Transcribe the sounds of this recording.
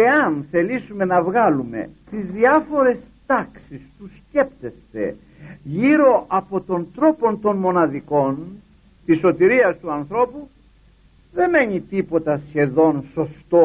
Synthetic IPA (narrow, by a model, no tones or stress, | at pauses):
eɐnθe̞lisume̞nɐvɣɐlume̞̰t̪izðiɐfo̞ɾe̞s | t̪ɐksist̪usce̞pt̪e̞st̪e̞̰ | ʝiɾo̞ʔɐpo̞t̪o̞nt̪ɾo̞po̞nt̪o̞nmo̞nɐðiko̞n | t̪iso̞t̪iɾiɐst̪uɐnθɾo̞pu | ðe̞me̞ɲit̪ipo̞t̪ɐsçe̞ðo̞nso̞st̪o